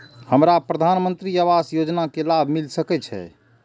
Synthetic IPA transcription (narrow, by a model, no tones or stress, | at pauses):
həmɾapɾəd̪ʱanmənt̪ɾiəβasjod͡ʒnakelabʱmilsəkɛt͡ʃʰɛ̰